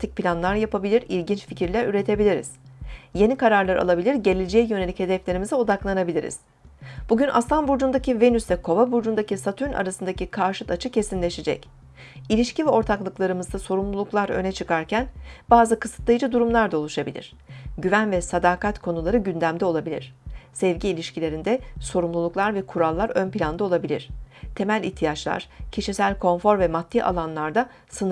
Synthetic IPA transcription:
t̪ʰic̚pʰilʲanlˠaɾjapʰabilʲiɾilʲɟint͡ʃficʰiɾlʲæɾyɾe̞t̪ʰe̞bilʲiɾḭz̥je̞nikaɾaɾlˠaɾa̰lˠabilʲiɾɟe̞lʲed͡ʒeːjøne̞lʲiche̞d̪ɛflʲe̞ɾimizɛo̞d̪aklˠanabilʲiɾḭz̥ | b̥uɟynʔa̰slˠanbuɾd͡ʒund̪acive̞nysvɛkʰo̞vabuɾd͡ʒund̪acisat̪ʰyɾna̰ɾasɯnd̪acikʰaɾʃɯt̪at͡ʃʰɯcʰe̞sinlʲe̞ʃed͡ʒɛ̰c | ilʲiʃcivɛo̞ɾt̪ʰaklˠɯklˠaɾɯmɯzd̪aso̞ɾumlˠulˠuklˠaɾø̰nɛt͡ʃʰɯkaɾcʰænb̥aːzɯkɯsɯt̪lˠajd͡ʒɯd̪uɾumlˠaɾd̪aolˠuʃabilʲḭɾ̥ | ɟyvænvɛsad̪aːkʰat̪kʰo̞nulˠaɾɯɟynd̪æmd̪ɛo̞lˠabilʲḭɾ̥sɛvɟiːlʲiʃcilʲe̞ɾind̪ɛso̞ɾumlˠulˠuklˠaɾvɛkʰuɾalˠːaɾø̞npilʲand̪ao̞lˠabilʲḭɾ̝̥t̪ʰe̞mælʲiçt̪ʰijat͡ʃlˠa̰ɾ̥cʰiʃisælʲkʰo̞nfo̞ɾvɛmat̪ʰːiʔa̰lˠanlˠaɾd̪a | sɯn

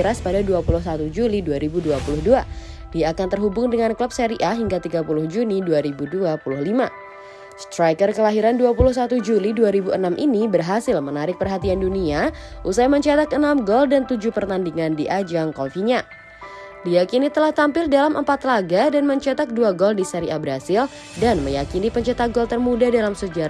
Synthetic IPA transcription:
ɾaspadaduapulʊhsat̪ud͡ʒuliduaɾibuduapulʊhdua | diaːkant̪ərɦubʊŋdəŋankləp̚sɛɾiʔaɦiŋɡat̪iɡapulʊhd͡ʒuniduaɾibuduapulʊhlima | st̪ɾajkərkəlaɦiɾanduapulʊhs̬at̪ud͡ʒuliduaɾibuʔənamʔinibərɦasɪlmənaɾɪk̚pərɦat̪ianduniaʔusajməɲt͡ʃat̪akənamɡɔldant̪ud͡ʒuhpərt̪andiŋandiʔad͡ʒaŋkɔlfiɲa | dijakinit̪əlaht̪ampɪldalamʔə̰mpat̪laɡadanməɲt͡ʃat̪ak̚duaɡɔldisɛɾiabəɾasɪl | danməjakinipəɲt͡ʃat̪aɡɔlt̪ərmudadalamsəd͡ʒaɾa

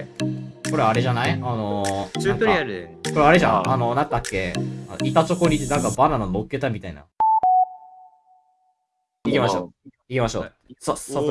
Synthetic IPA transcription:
ko̞ɾe̞aɾe̞ʑanaiano̞t̪oɾiaɾɯko̞ɾeaɾeʑã̰ano̞nãnt̪akːe̞ano̰ʔit̪at͡ɕo̞ko̞ɲ̟it̪ːenãŋkabaɾanono̞kːe̞t̪amʲit̪aina̰ | ikʲimaɕo | ikʲimaɕo̞̰ː | soo

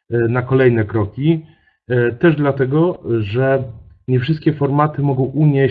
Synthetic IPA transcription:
nakɔlɛjnɛkɾɔkʲi | t̪ɛʐd̪lat̪ɛɡɔʐɛɲɛfʂɘst̪̚kʲɛfɔɾmat̪ɘmɔɡɔ̃w̃ʔuɲe

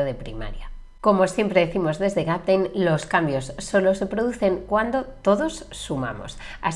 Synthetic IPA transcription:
oðe̞pɾima̰ɾja | ko̞mo̞sje̞mpɾe̞ðeθimo̞zðe̞zðe̞ɣap̚t̪ejnlo̞skambjo̞sːo̞lo̞se̞pɾo̞ðuθe̞ŋkwand̪o̞t̪o̞ðo̞sːuma̰mo̞̰sa̰s

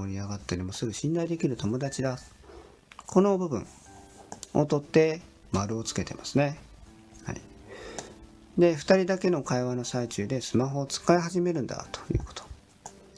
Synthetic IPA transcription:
oɾʲiaɡat̪ːaɾʲimo̞sɨɾɯ̟ɕĩnd̪aid̪e̞kʲiɾɯ̟t̪o̞mo̞d̪at͡ɕid̪a | kʰo̞no̞bɯ̟bɯ̟̰̃ɴ | ot̪o̞t̪ːe̞ | maɾɯ̟o̞t͡sɨ̥ke̞t̪e̞̰masɨne̞ | ha̰ḭ | d̪e̞ɸɯ̟̥t̪aɾʲid̪ake̞no̞kaiβano̞sait͡ɕɨːd̪e̞sɨmaɦo̞t͡sɨ̥kaiɦaʑime̞ɾɯ̟̃nd̪a̰t̪o̥jɯ̰ːko̞̥t̪o̥

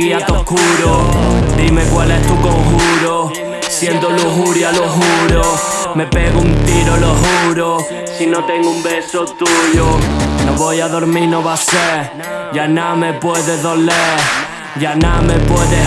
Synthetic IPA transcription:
iat̪okuɾod̪imekwalest̪ukoŋxuɾo | sjend̪oluɣuɾjaloɦuɾo | me̞pe̞ɣount̪iɾoloɦuɾo | sino̞t̪e̞ŋɡoumbe̞sot̪uʝonoβojaðoɾminoβase | janame̞pweðeðo̞leɾ | anamepweðe

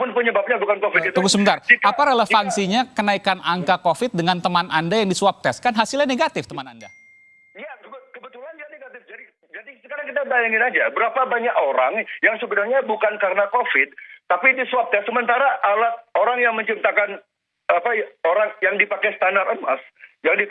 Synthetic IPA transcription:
pʊnpəɲəbap̚ɲabukankofɪd̪it̪uɡusəbəarkapaɾeləfansiɲakənaikanʔaŋkakofɪt̪̚dəŋant̪əmanʔandajaŋdisuap̚t̪ɛs̚kanɦasilɲaneɡat̪ɪft̪əmananda | jakəbkəbət̪ulanjaneɡat̪ɪfd͡ʒadi | d͡ʒadisə̥kaɾaŋkit̪abajaŋɪnad͡ʒabəɾapabaɲakoɾaŋjaŋsəbədahɲabukankaɾənakofɪt̪̚t̪apidisuwap̚t̪ɛsːəmənt̪aɾaʔːalahoɾaŋjaŋməɲt͡ʃip̚t̪akan | apaoɾaŋjaŋdipakɛsət̪andaɾəma̰sjaŋdi

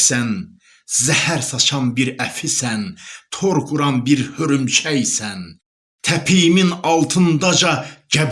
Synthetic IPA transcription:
sæn | zæhæɾsɑt͡ʃʰɑnbiɾæfisænt̪ʰoɾkʰuɾɑnbiɾhøɾymt͡ʃʰæjsæn | t̪ʰæpʰijiminɑlˠt̪ʰɯnd̪ɑd͡ʒɑd͡ʒæb

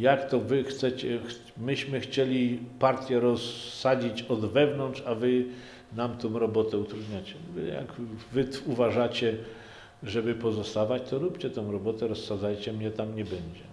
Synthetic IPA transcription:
jakt̪ɔvɘxt̪sɛt͡ɕɛ | mɘɕmɘxt͡ɕelʲipaɾt̪ʲjɛɾɔsːad͡ʑit͡ɕɔd̪vɛvnɔnt͡ʂavɘ | namt̪ɔ̃w̃ɾɔbɔt̪ɛut̪ɾud̪ɲat͡ɕɛvja̰ɡvɘt̪uvaʐat͡ɕɛ | ʐɛbɘpɔzɔst̪avat͡ɕt̪ɔɾupt͡ɕɛt̪ɔ̃w̃ɾɔbɔt̪ɛɾɔsːad̪zajt͡ɕɛmɲɛt̪amɲɛbɛɲd͡ʑɛ

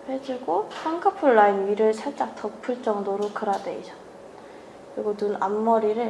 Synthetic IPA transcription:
hed͡ʑuɡoaŋkʰapʰuɭːaimiɾɯɭsʰaɭt͡ɕ͈ak̚tʰʌpʰɯɭt͡ɕ͈ʌŋdoɾokɯɾadeisʌ | kɯɾiɡonuna̰mːʌɾiɾɯɭ

